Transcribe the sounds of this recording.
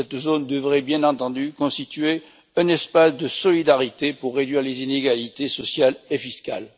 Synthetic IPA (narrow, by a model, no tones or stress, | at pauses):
sɛt̪zond̪əvʁɛbjɛ̃nɑ̃t̪ɑ̃d̪ykɔ̃st̪it̪ɥe | ɛ̃nɛspasd̪əsɔlid̪aʁit̪epuʁːed̪ɥiʁlezineɡalit̪esɔsjalefiska̰l